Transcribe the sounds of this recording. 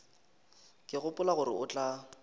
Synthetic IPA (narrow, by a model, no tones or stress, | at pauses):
kʼɪɣʊpʼʊlaɣʊɾɪ̰ʊt͡ɬʼa